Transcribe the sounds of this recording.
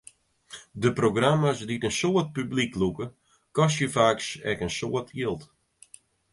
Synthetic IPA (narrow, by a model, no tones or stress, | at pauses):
dəproɡramasditənsoət̚pybliklukə | kɔsjəfaːksɛkənsoətʰiəlˠt